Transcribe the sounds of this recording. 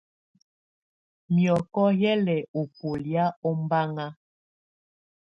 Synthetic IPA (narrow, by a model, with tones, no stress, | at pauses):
mjɔ˨kɔ˦jɛ˦lɛ˨o˨po˨lja˦ɔ˦mba˦ŋa˦